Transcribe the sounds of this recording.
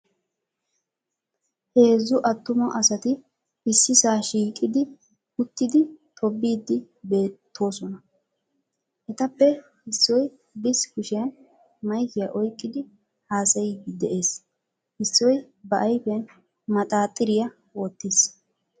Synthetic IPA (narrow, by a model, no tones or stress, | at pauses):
he̞ːzːʊʔɐt̪ːʊmɐʔɐsɐt̪ɪ | ɪsːɪsaːʃiːkʼɪd̪ɪ | hʊt̪ːɪd̪ɪt̪ʰʼɔbːiːd̪ːɪ | be̞ːt̪ʰːo̞ːsɔnɐ | ʔɛt̪ɐpːɛ | hɪsːɔj | bɪskʊʃɪjɐn | mɐjkɪjɐʔɔjkʼːɪd̪ɪ | haːsɐjɪd̪ɛʔeːs | hɪsːɔj | bɐʔɐjpɛjɐn | mɐt̪ʼaːt̪ʼːɪɾɪjɐ | wɔːt̪ːis